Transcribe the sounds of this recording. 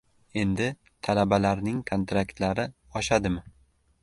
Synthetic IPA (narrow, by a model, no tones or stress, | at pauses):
e̞nd̪ɪ | t̪ʰalabalaɾnɪŋkʰont̪ɾakt̪laɾɪ | ɒʃad̪ɪmɪ